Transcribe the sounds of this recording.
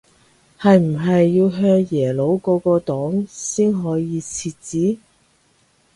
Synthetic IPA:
hɐ˨jm̩˨˩ɦɐ˨jːiː˧wɦœː˧ŋjɛː˨˩lo˨˧wkɔː˧kɔː˧t̪ɔː˨˥ŋsiː˥nɦɔː˨˥jiː˨˧t͡sʰiː˧t̚t͡siː˨˥

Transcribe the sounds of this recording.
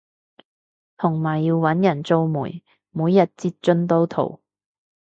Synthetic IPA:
t̪ʰʊ˨˩ŋmaː˨˩jːiː˧wwɐ˨˥njɐ˨˩nt͡so˧wmṵː˨˩j | muː˨˧jːɐ˨t̚t͡siː˧t̚t͡ʃɵ˥nt̪o˨˥wt̪ʰo̰˨˩w

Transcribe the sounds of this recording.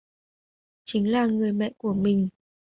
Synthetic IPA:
t͡ɕï˨˦ŋ̟laː˨˩ŋɨ˨˩əjmɛ̰˧˨ku˧˩əmï˨˩ŋ̟

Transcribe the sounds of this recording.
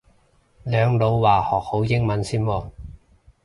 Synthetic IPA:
lœː˨˧ŋlo˨˧wwaː˨˩hɔː˨˩k̚ho˨˥wjɪ˥ŋmɐ˨˥nsiː˥nwɔː˧

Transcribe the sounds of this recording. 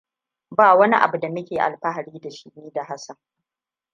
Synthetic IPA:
baː˦˨wɐ˦ni˦ʔa̰˨bu˨da˨mʊ˦kʲeː˨ʔa̰˨lɸa˦ɦa˨ɽiː˦da˨ʃi˦niː˦da˨ɦa˦sɐ˨ŋ

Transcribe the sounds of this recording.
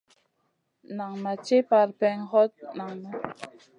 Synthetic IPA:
na˨ŋna˨t͡ʃe˦pa˨ɾpɛ˦ŋhɔ˦t̚na˨ŋna˦

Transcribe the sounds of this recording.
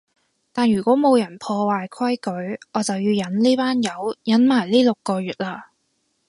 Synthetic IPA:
t̪aː˨nɥyː˨˩kʷɔː˨˥mo˨˧wjɐ˨˩npʰɔː˧waː˨jkʰɐ˥jkɵ˨˥ɥʔɔː˨˧t͡sɐ˨wjiː˧wjɐ˨˥nliː˥paː˥njɐ˨˧˥wjɐ˨˥nmaː˨˩jliː˥lo˨kːɔː˧ɥyː˨t̚laː˧

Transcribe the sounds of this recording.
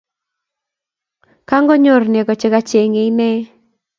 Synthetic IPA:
ka˦ŋɡɔ˦ɲo˦˨rne˨ɡɔ˨t͡ʃɪ˦ka˦t͡ʃe˨ŋe˨˦nɛ˦

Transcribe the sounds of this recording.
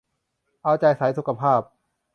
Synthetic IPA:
ʔa˧wt͡ɕa˧jsa˩˦jsu˧˦˥kːa˧pʰaː˥˩p̚

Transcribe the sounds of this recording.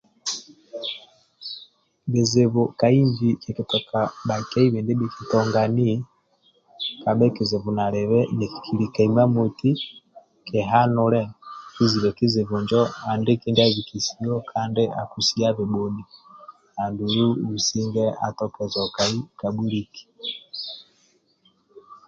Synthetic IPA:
βe˨ze˨βuka˨i˦ɲd͡ʒikeki˨tɔ˨kaɓa˨ka˦i˦βe˨ndi˦ɓi˦kʰi˨tɔŋɡani˦ | ka˨ɓɛ˦kize˨βu˨na˨ɾɛβɛne˨ki̥˨kʰi˨ɾi˨ka˨ima˦mu˨ti˦ | ke˨ɦanulɛ˦ki˦zi˨βɛ˨ki˦zi˨βuɲd͡ʒɔa˨nde˦ki˦ndi˦aβiki˨si˦ɔ˦kʰa˦ndeʔa̰˨ku˨si˦aβiɓuni | ha˨ndu˨ju˦βi˨si˦ŋɡɛa̰˨tɔ˦kɛ˨zɔkaikaɓu˦ɾiki̥

